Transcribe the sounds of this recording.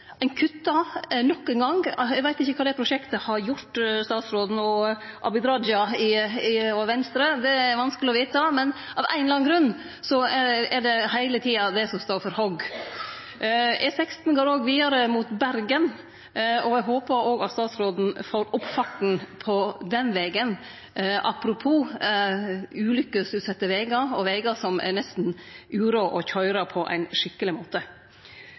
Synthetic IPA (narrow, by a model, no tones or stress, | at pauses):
æɪnkʰʉt̪ːɑnɔkːɛŋɡɑŋɛɡʋæɪt̪ɪçːəkʰɑːd̪ɛpɾʊʂɛkt̪əhɑɾjʊɾʈt̪st̪ɑːt̪sɾoːd̪n̩ɔʔɑ̰bɪd̪ɾɑd͡ʒɑɪɪɔʋɛnst̪ɾəd̪ɛɾʋɑnskəlɪɔʋiːt̪ɑmɛn | ʔɑʋʔæ̰ɪnlɑːŋɡɾʉnː | sɔɛɛɖɛɦæɪlət̪ʰiːɑd̪ɛsɔmst̪oːɾfɔɾhɔɡ | ɛsɛkst̪n̩ɡoːɾoːɡʋiːɑɾəmuːt̪bæɾɡən | ɔɛɡɦoːpəɾoːɡɑt̪st̪ɑːt̪sɾoːd̪n̩foːɾʊpfɑʈn̩pʰɔd̪ɛnʋɛːɡən | ʔɑ̰pɾʊpʰuː | ʉːlʏkːəsʉːt̪sɛt̪ːəʋeːɡɑɔʋɛːɡɑsɔmɛ̰nɛst̪n̩ʔʉːɾoːʔɔçœʏɾɑpʰɔʔæ̰ɪnʂɪkːəlɪmoːt̪ə